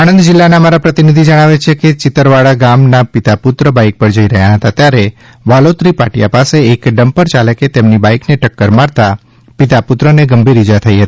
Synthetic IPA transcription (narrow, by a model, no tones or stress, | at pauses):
añənd̪d͡ʒɪlːanamaɾapɾət̪inid̪ʱid͡ʒəɽ̃aʋet͡ʃʰeket͡ʃɪt̪əɾʋaɽaɡamnapɪt̪apʊt̪ɾəbaik̚pəɾd͡ʒəiɾəɦjaɦət̪at̪jaɾe | ʋalot̪ɾipa̰ʈija̰paseːkɖəmpəɾt͡ʃaləket̪emnibaikneʈəkːəɾmaɾt̪a | pɪt̪apʊt̪ɾəneɡəmbʱiɾid͡ʒat̪ʰəiɦət̪i̥